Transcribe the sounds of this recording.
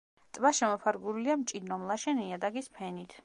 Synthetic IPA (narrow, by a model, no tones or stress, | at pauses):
t̪ʼvaʃɛmɔpʰaɾɡuɾiliamt͡ʃʼid̪nɔmlˠaʃɛniad̪aɡispʰɛnit̪ʰ